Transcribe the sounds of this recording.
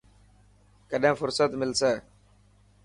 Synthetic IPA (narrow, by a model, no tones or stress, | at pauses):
kəɗẽːfʊɾsət̪mɪlseː